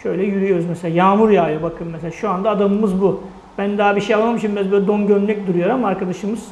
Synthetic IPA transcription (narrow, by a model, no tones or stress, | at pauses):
ʃø̞jlʲɛjyɾyjo̞ɾuzmɛselʲaːjaːmuɾjaːjabakʰɯmmːɛs̬elʲaːʃuand̪aːd̪anɯmɯzbu | bænd̪aːabiʃejalˠmamɯʃɯmbæzbøːlʲɛd̪o̞nɟønlʲɛc̚d̪uɾujo̞ɾamaɾkad̪aʃɯmɯz̥